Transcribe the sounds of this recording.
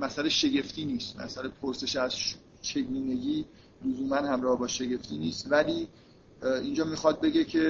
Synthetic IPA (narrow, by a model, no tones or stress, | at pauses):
mæsæleʃe̞ɟe̞ft̪ʰiːniːst̪mæ̰sælepʰoɾse̞ʃæzʃ | t͡ʃʰe̞ɡuːne̞ɟiː | lozuːmænhæmɾɒːhebɒːʃe̞ɟe̞ft̪ʰiːniːst̪væliː | ind͡ʒɒːmixɒːd̪̚be̞ɟe̞cʰe̞